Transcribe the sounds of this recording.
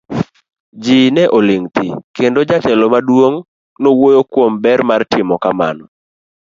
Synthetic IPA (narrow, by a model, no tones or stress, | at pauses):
d͡ʒinɛʔolɪŋt̪ikendod͡ʒatɛlomadwoŋ | nowojokwombɛrmartɪmɔkama̰nɔ